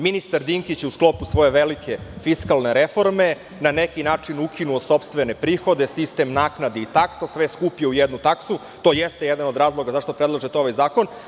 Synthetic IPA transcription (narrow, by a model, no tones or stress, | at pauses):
minist̪aɾd̪iŋkit͡ɕeusklˠo̞pusʋo̞je̞ʋelikʰe̞fiskalˠne̞ɾefo̞ɾme̞ | nanekinaːt͡ʂinukʰinuoso̞pst̪ʋene̞pɾiːxo̞d̪e̞sist̪e̞mnaːknad̪eit̪aksasʋeskupieujɛd̪nut̪aksu | t̪o̞jest̪ejed̪ano̞d̪ɾaːzlˠo̞ɡazaʂt̪o̞pɾed̪lˠaʒet̪eo̞ʋajzaːko̞n